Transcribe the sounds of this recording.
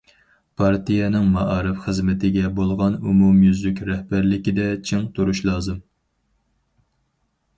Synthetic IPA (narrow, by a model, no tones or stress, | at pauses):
pʰɑɾt̪ijɛnɪŋmɑʔɑːɾɨfχəzmɪt̪ʰɪɡʲɛbolˠʁɑnumumjyzlykʲɾɛhbæɾlɪkʲid̪ɛt͡ʃʰɪŋt̪ʰuɾuʃlˠɑːzɨm